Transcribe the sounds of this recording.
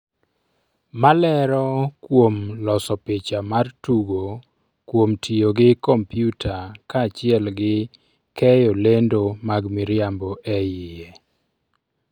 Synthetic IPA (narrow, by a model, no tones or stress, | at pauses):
malɛɾɔkwomlɔsɔpɪt͡ʃamartuɡo | kwomtʰijoɡɪkɔmpjutʰakat͡ʃɪɛlɡɪ | kʰɛjolendomaɡmiɾjamboʔɛjɪjɛ